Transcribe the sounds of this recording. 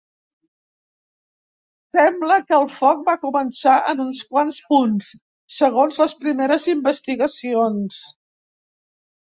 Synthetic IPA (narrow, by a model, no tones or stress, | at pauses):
sɛmbləkəːlˠfɔk̚bakumənsaʔənunskwanspunsː | əɣonzləspɾimeɾəzimbəst̪iɣəsions